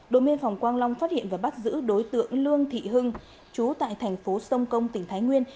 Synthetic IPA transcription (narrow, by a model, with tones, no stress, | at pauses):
ɗo̰˧˨mi˧ənfa˨˩wŋ͡mkwaː˧nla˧wŋ͡mfaː˦˥t̚hḭ˧˨ənvaː˨˩ɓa˦˥t̚zɨ̰˧˥ɗo˨˦jt̪ɨ̰˧˨əŋlɨ˧əŋt̪ʰḭ˧˨ɦɨ˧ŋ | t͡ɕu˨˦t̪a̰ː˧˨jt̪ʰɛ˨˩jŋ̟fo˨˦sə˧wŋ͡mkə˧wŋ͡mt̪ï˧˩ŋ̟t̪ʰːjŋwi˧ən